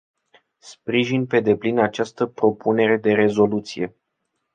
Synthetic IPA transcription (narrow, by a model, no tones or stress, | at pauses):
spɾiʒinpe̞d̪e̞plinat͡ʃast̪əpɾo̞pune̞ɾe̞d̪e̞ɾe̞zo̞lut̪sije̞